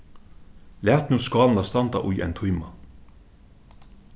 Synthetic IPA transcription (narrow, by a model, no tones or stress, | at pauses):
læːt̪nuːskɑːlnast̪ant̪a̰ʔʊjɛ̰jnt̪ʰujma̰